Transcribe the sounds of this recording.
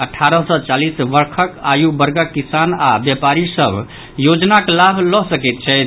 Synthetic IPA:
əʈʰːaɾəsɔt͡ʃalisbəɾkʰəkajubəɾɡəkːisanabjepaɾisəbʱ | jod͡ʒnaklabʱlɔɦsəkɛt̪̚t͡ʃʰɛ

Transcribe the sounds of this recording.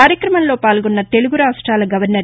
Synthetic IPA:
aːɾjɐkɾɐmɐnlo̞ːpaːlɡɔnːɐt̪e̞luɡuɾaːsʈɾaːlɐɡɐʋɐɾnɐ

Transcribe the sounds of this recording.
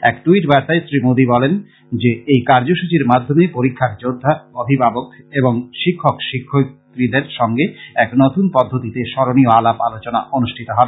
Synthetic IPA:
ɛkʈuiʈbaɾt̪aesɾimod̪ibɔlen | d͡ʑeejkaɾd͡ʑoʃut͡ɕiɾmad̪ʱːomepoɾikʰːakd͡ʑod̪ʱːaobʱibabok | eboŋʃikʰːokʃikʰːot̪ɾid̪eɾʃɔŋɡeɛknɔt̪unpɔd̪ʱːot̪it̪eʃɔɾonioalapalot͡ɕona̰ʔonuʃʈʰit̪oɦɔbe

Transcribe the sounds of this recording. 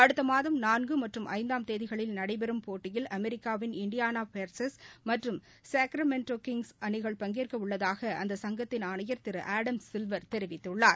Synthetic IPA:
ɐɽɯt̪ːɐmaːðɐmnaːnɡɯmɐʈrɯmʔɐ̰ɪnd̪aːmt̪eːðɪɣɐɭɪlnɐɽɐɪbɛɾɯmpoːʈːɪjɪlɐmɛɾɪkːaːʋɪnɪɳɖɪjaːnaːpeɾsɐsmɐʈrɯm | saːkɾɐmeɳʈoːkɪŋɡsɐɳɪɣɐɭpɐŋɡeːrkɐʊɭːɐðaːɣɐɐ̰nd̪ɐsɐŋɡɐt̪ːɪnaːnɐjɐɾt̪ɪɾɯʔaːɽɐmssɪlʋɐɾt̪ɛɾɪʋɪt̪ːɯɭːaːɾ

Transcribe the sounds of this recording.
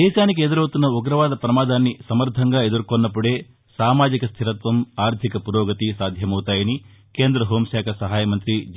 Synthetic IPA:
d̪ɛːʃaːnik̬ied̪ɐɾɐwt̪unːɐuɡɾɐʋaːd̪ɐpɾɐmaːd̪aːnːisɐmɐɾd̪ʱɐŋɡaːed̪uɾkonːɐp̬ːuɽe̞ː | saːmaːd͡ʒikɐst̪ʰiɾɐt̪ʋɐmaːɾt̪ʰikɐpuɾoːɡɐt̪isaːd̪ʱjɐmɐwt̪aːjɐni | ke̞ːnd̪ɾɐɦoːmʃaːkʰɐsɐɦaːjɐmɐnt̪ɾi

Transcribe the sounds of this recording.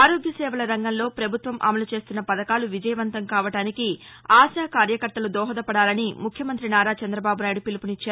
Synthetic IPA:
aːɾoːɡjɐsɛːʋɐlɐɾɐŋɡɐnlo̞ːpɾɐbʱut̪ʋɐmʔɐ̰mɐlut͡ʃe̞ːst̪unːɐpɐd̪ɐkaːluʋid͡ʒɐjɐʋɐnt̪ɐŋkaːʋɐɽaːnikiaːsaːkaːɾjɐkɐɾt̪ɐlud̪ɔːɦɐd̪ɐpɐɽaːlɐnimukʰjɐmɐnt̪ɾinaːɾaːt͡ʃɐnd̪ɾɐbaːbunaːjiɽupilipunit͡ʃːaːɾu

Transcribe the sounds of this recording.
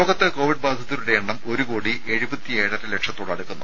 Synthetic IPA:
oːɡɐt̪ːeko̞ːʋiɖ̚baːd̪ʱɐt̪ːiluɽe̞jeɳɖɐmo̞ɾukoːɽiʔeɻubɐt̪ːie̞ːɽɐɾɐle̞kʂɐt̪ːoːɽɐɽukːunːɐ

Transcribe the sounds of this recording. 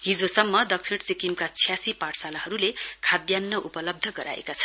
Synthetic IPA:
ɦid͡zosʌmːʌd̪ʌk̚t͡sʰiʈsikimkat͡sʰjasipaʈsalaɦʌɾulekʰad̪janːʌʔupʌlʌb̚d̪ʱʌɡʌɾa̰ḛkat͡sʰʌ̥n

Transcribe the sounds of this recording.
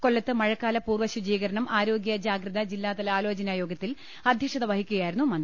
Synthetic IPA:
ko̞ɭːɐt̪ːɨmɐɻɐkːaːlɐpuːrʋɐɕud͡ʑiːɣɐɾɐɳɐmʔaːɾo̞ːɡjɐd͡ʑaːɡɾɨðɐd͡ʑilːaːt̪ɐlɐaːlo̞ːt͡ɕɐnaːjo̞ːɡjɐt̪ːil | ɐd̪ʱjɐkʂɐðɐʋɐhikʲːuɣɐjaːjiɾunːumɐnd̪

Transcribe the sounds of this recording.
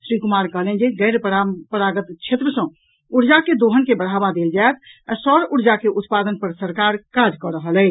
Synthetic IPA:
sɾikumaɾkəɦlɛnd͡ʒeɡəɾpapəɾaɡət̪t͡ʃʰet̪ɾəsə̃ | uɽd͡ʒaked̪oɦənkebəɽ̤abad̪eld͡ʒaet̪asɔɾʔuɽd͡ʒakeʔut̪pad̪ənpəɾsəɾkaɾkad͡ʒkɔɾəɦəlɛ

